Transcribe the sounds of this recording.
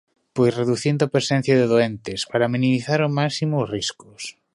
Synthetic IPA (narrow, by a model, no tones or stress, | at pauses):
pojsreðuθind̪oapɾesɛn̟θjaðeðoɛnt̪ɪspaɾamĩnimiθaɾʊmaksimosriskʊs